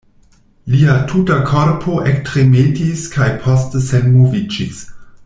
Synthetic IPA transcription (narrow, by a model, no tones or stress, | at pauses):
liatʰutakʰoɾpʰoʔektɾemetiskʰajpʰostəsenmovid͡ʒis